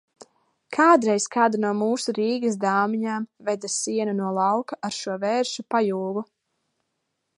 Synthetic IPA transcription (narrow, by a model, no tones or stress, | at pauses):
kʰaːd̪ɾɛjskaːd̪anuɔmuːsuɾiːɡisd̪aːmiɲaːmvɛd̪asiɛnanuɔlˠɑwkaʔaɾʃuɔvɛːɾʃupajuːɡu